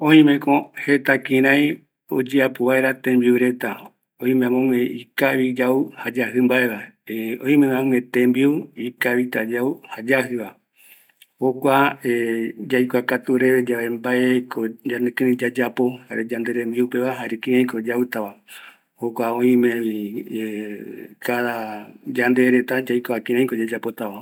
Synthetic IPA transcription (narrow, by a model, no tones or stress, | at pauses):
õĩmẽ̞kõhe̞t̪akĩɾ̃ãj̃ | o̰d͡ʒeapoβaeɾat̪ẽmbiuɾe̞t̪a | õĩmemõŋẽikaβid͡ʒauhad͡ʒaɦɨmbae̞βaeõĩmẽmãŋẽt̪ẽmbiuikaβit̪ad͡ʒauhad͡ʒahɨʋa | hokʷaed͡ʒajkʷakat̪uɾeβed͡ʒaʋembaekod͡ʒanẽkɨ̃nĩd͡ʒad͡ʒapo̞haɾed͡ʒand̪eɾembiupeβaɦaɾekĩãj̃kod͡ʒaut̪aʋa | hokʷaõĩmẽi | kaðad͡ʒand̪eɾet̪ad͡ʒajkaakĩɾ̃ãj̃kod͡ʒad͡ʒapo̞t̪aʋa